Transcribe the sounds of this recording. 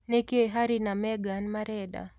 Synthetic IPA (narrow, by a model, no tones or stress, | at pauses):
nekeɦaɾinamɛɡanmaɾɛɗa̰